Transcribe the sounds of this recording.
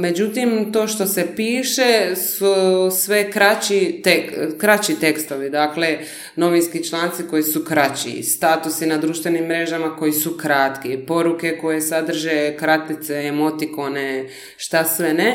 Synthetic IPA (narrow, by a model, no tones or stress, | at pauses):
me̞d͡ʑut̪imt̪o̞ːʃt̪o̞se̞piːʃe̞susʋe̞kɾat͡ɕit̪ekɾat͡ɕit̪e̞kst̪o̞ʋid̪aːkle̞ | no̞ʋinskit͡ʃlaːnt̪siko̞jisukɾat͡ɕḭst̪aːt̪usinad̪ɾuʃt̪ʋe̞nimːɾe̞ʒamako̞jisukɾat̪kipo̞ɾuke̞ko̞je̞sad̪r̩ʒekɾat̪nit̪seːmo̞t̪ikone̞ | ʃt̪asʋene